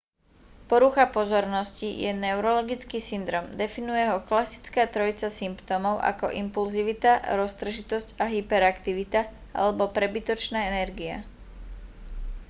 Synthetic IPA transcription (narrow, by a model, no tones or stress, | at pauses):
pɔɾuxapɔzɔɾnɔscijɛnɛʊɾɔlɔɡit͡skiːsind̪ɾɔːmd̪ɛfinujɛɦɔklasi̥t͡skaːt̪ɾɔit͡sasimpt̪ɔmɔʊʔa̰kɔ̰ʔimpulziʋit̪aɾɔst̪r̩ʒit̪ɔscaɦipɛɾakt̪iʋit̪a | a̰lɛbɔpɾɛbit̪ɔt͡ʃnaːɛnɛɾɡia̰